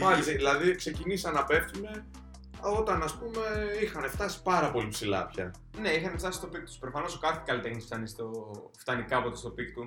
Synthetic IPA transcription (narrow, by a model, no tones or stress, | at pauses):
pɐliðilɐðikse̞cinisɐnɐpe̞fθune̞ | o̞t̪ɐnɐspume̞ixɐne̞ft̪ɐsi̥pɐɾɐpo̞lipsilɐ̰pçɐ̰ | ne̞ixɐneft̪ɐsist̪o̞pik̚t̪u̥spɾo̞fɐno̞sokɐt̪ʰi̥kɐlit̪exnisft̪ɐnist̪o | ft̪ɐnikɐpo̞t̪est̪o̞pikt̪u